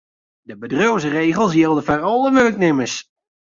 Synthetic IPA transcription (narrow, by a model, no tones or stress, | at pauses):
dəbədrowzəreːɣəlˠsjɪlˠdəfarɔlˠəʋøːk̚nɪməs